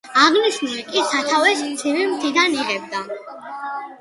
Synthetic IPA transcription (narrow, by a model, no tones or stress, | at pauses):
aʁniʃnulikʼisat̪ʰavɛsmt̪sʰivimt̪ʰid̪aniʁɛbd̪a